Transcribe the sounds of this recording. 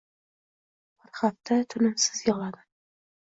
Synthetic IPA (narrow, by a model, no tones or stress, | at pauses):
bɪɾχaft̪ʰat̪ʰʊnɪmsɪzjɒlad̪ɪ